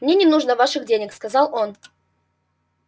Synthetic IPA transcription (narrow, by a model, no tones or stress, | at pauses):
mnʲenʲɪnuʐnəvaʂɨxdʲenʲəkskɐzɑlˠon